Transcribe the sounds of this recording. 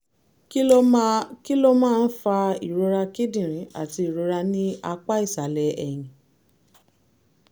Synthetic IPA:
k | ki˦lo˦mãː˦˧n̩˦fa˧ḭ˨ɾo˧ɾa˧ki˦dĩ˦˨ɾ̃ĩ˨˦a̰˦˨ti˧i˨ɾo˧ɾa˧nĩ˦a˧k͡pa˦i˦˨sa˨˦lɛ˧ɛ˨j̃ĩ˨

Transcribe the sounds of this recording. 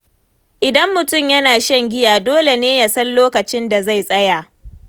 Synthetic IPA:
ʔɪ˨dɐ˦mːʊ˨tʊ˦˨mjɐ˦naː˨ʃɛ˦ŋɡʲɪ˦jaː˨doː˦le˨neː˦ja˨sɐ˦nloː˦kɐ˨t͡ʃɪ˦nda˨za˦˨jsʼɐ˦ja˨ʔ

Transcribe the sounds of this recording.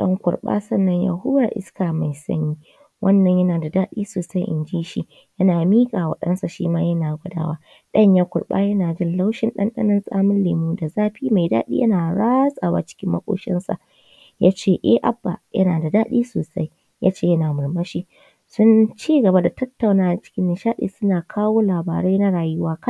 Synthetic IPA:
ɗɐ̰˦ŋkʷʊ̰˨rɓa̰ː˦sɐ˦˨nːɐ˦ɲja̰˨ɦʊ˦wa˨ʔɪ̰˦skaː˨ma˨jsɐ̰˦ɲjiː˦ | wʔɐ˦nːɐ˨ɲjɐ˦naː˨da˨daː˦ɗḭː˦soː˨sa˦jʔɪ̰˨nd͡ʒiː˦ʃi˦ | jɐ˦naː˨miː˦kʼaː˨wɐ̰˨ɗɐ̰˦nsa˨ʃḭː˦maː˦jɐ˦naː˨ɡʷʊ˦da̰ː˦waː˦ | ɗɐ˦ɲjaː˦kʷʊ˨ɽɓa̰ː˦jɐ˦naː˨d͡ʒɪ˦nla˦wʃɪ˦nɗɐ̰˦nɗɐ̰˦nɐ˦nsʼaː˦mʊ˦nleː˨muː˦da˨zaː˦ɸiː˦ma˨jda̰ː˦ɗḭː˦jɐ˦naː˨ɽaː˦sʼaː˨wa̰˦t͡ʃɪ̥˦kʲɪ˦mːɐ̰˦kʷʼo̰ː˦ʃɪ̰˦nsa̰˨ʔ | jaː˦t͡ʃeː˦˨ʔe˦ʔa̰˨bːa̰˨jɐ˦naː˨da˨daː˦ɗiː˦soː˨sa̰˦j | ja̰ː˦t͡ʃeː˦˨jɐ˦naː˨mʊ˨ɽmɐ˦ʃi˦ | sʊ˦nt͡ʃiː˦ɡɐ˨ba˦da˨tɐ˦tːa˨wnaː˦ʔa˨t͡ʃɪ̥˦kʲɪ˦nːɪ˨ʃaː˦ɗḭː˨sʊ˦naː˨kʰaː˦woː˦laː˨ba̰ː˨ɾa˦jna˦ɽaː˨jʊ˦waː˦ka˦

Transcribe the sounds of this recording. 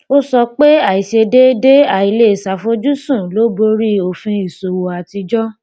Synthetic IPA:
o˦sɔ˧k͡pe˦a˦˨i˨ʃe˧de˦de˦a˦˨i˨le˦˨sa˨fo˧˦d͡ʒu˦sũ˦˨lo˨˦bo˧ɾi˦o˨fĩ˧i˨so˨wo˨a˨ti˧d͡ʒɔ˦

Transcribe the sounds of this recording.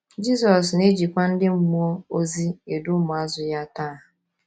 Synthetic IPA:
d͡ʒi˦sɔ˨sne˦d͡ʒi˨kʷa˦n̩˦dɪ˦m̩˦mu˦o˦o˦zi˦e˨dʊ˦mʊ˨a˦zʊ˦ja˦taː˦˨ɦʊ˨

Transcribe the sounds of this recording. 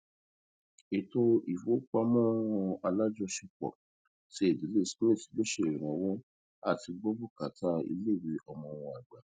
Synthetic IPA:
e˨to˧i˨fo˨˦k͡pa˧mɔ̃˦˧a˧la˦d͡ʒɔ˧ʃi˧k͡pɔ̰˨ | ti˦e˦˨di˨˦le˦˨si˦mẽ˦˨ti̥˨be˦ʃe˦˨ɾi˨ɾ̃ɔ̃˨˦wɔ̃˦ | a˦˨ti˧ɡ͡bɔ˦bu˦˨ka˨ta˦ḭ˧le˦˨ɾi˧ʔɔ˧mɔ̃˧w̃ɔ̃˧˨a˨ɡ͡ba˨

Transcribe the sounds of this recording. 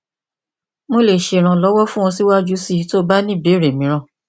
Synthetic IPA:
mo˧le˨ʃe˨ɾ̃ã˧lɔ˨˦wɔ˦fũ˦wɔ̃˧si˦wa˦d͡ʒu˨˦si˦˨˦to˦ba˦nĩ˦˨be˨˦˨ɾe˨mĩ˨˦ɾ̃ã˧˨

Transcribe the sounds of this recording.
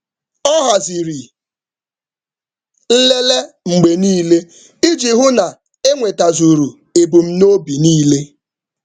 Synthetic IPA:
ɔ˦ɦa˨zi˨ɾi˨ | n̩˦le˦le˦ | ŋ͡m̩˨ɡ͡be˨niː˦le˦ | i˦d͡ʒi˨ɦʊ˦na˨ | e˦ŋʷe˨ta˨zu˨ɾu˨ | e˨bu˨m̩˦no˦bi˨niː˦le˦

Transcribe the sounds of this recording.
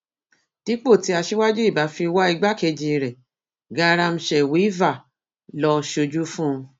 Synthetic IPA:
d̥i˨˦k͡po˦˨ti˨˦a˧ʃi˦wa˦d͡ʒu˦i˦˨ba˨˦fi˧wa˦i˧ɡ͡ba˦ke˧d͡ʒĩ˧ɾɛ˨ | ɡa˧˦˧ɾa˧m̩̃˧ʃɛ˨wi˨˦i˦va˦˨ | lɔ˧ʃo˧d͡ʒu˦fũ˦˧

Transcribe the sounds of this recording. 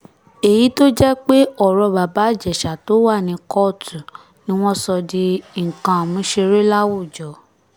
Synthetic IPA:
e˨ji˨˦to˦d͡ʒɛ˦k͡pe˦ɔ˦˨ɾɔ˧ba˨ba˨˦˨d͡ʒɛ˨ʃa˨to˨˦wa˦˨nĩ˧kɔ˦˨tu˨ | nĩ˦w̃ɔ̃˦sɔ˧di˧˦ŋ̩˨kã˧˨mũ˨˦ʃe˧ɾe˦la˦wo˦˨d͡ʒɔ˨˦

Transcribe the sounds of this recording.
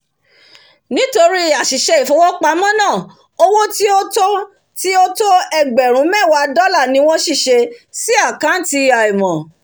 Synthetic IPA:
nĩ˨˦to˧ɾi˦a˨ʃi˨ʃɛ˧i˨fo˨˦wɔ˦k͡pa˧˦mɔ̃˦nãː˦˨ | o˧wo˦ti˦o˦to˦ | ti˦o˦to˦ɛ˧ɡ͡bɛ˨ɾ̃ũ˨˦mɛ̃˦˨wa˧dɔ˦la˦˨nĩ˨˦w̃ɔ̃˦ʃi˦˨ʃe˧si˦a˦˨kã˨˦n̩˦˨ti˧a˨i˨mɔ̃˨

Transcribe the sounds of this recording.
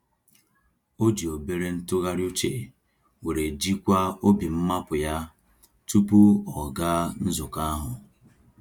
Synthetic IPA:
o˦d͡ʒi˨o˨be˦ɾe˦n̩˦tʊ˦ɣa˦ɾu˦t͡ʃe˨ | we˨ɾe˨d͡ʒi˦kʷa˦o˦bi˨m̩˦ma˦pʊ˨ja˦ | tu˦pu˦ɔ˨ɡa˦n̩˦zʊ˨ka˦ɦʊ˨

